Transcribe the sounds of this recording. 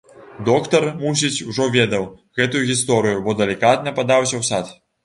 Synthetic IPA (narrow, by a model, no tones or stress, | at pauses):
d̪ɔkt̪ɐrmus̬ʲit͡sʲuʐɔvʲɛd̪ɐw | ɣɛt̪ujuɣʲist̪ɔɾɨjubɔd̪ɐlʲikat̪nɐpad̪awsʲɐwsat̪